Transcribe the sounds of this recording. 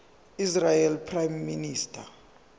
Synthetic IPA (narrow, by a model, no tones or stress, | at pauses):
israjɛlpʰrajmːiniːstʰʼa